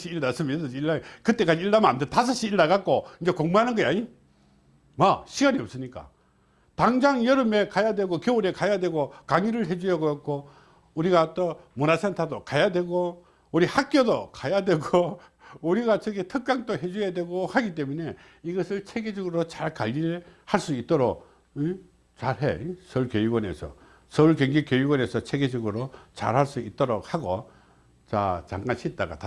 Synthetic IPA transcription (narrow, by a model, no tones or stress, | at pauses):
ɕiiɭnas͈ɯmisiɭːakɯt͈e̞k͈ad͡ʑiiɭːamna̰ndetas̬ʰʌɕ͈ʰiiɭːaɡak͈oind͡ʑekoŋmuɦanɯnɡʌja̰ɲi | maɕʰiɡaɲiʌp̚s͈ɯɲik͈a̰ | taŋd͡ʑaŋjʌɾɯmekajadwe̞ɡokjouɾekajadwe̞ɡokaŋiɾɯɭɦed͡ʑujʌɡoʌk͈o | uɾiɡat͈omunasʰentʰadokajadwe̞ɡo | uɾihak̚k͈jodokajadwe̞ɡo | uɾiɡat͡ɕʌɡetʰɯk̚k͈aŋt͈oɦe̞d͡ʑujadwe̞ɡohaɡit͈e̞mune̞ | iɡʌsʰɯɭt͡ɕʰeɡed͡ʑʌɡɯɾot͡ɕaɭkaʎːiɾɭhaɭs͈uit͈̚ʌɾok̚ | i | t͡ɕaɭɦḛsʰʌuɭkejuɡwʌne̞̰sʰʌ̰ | sʰʌuɭkeŋɡikjejuɡwʌne̞sʰʌt͡ɕʰeɡed͡ʑʌɡɯɾot͡ɕa̰ɭhaɭs͈uit͈̚ʌɾok̚haɡo | t͡ɕa̰t͡ɕaŋɡaɕʰit̚t͈aɡa̰ta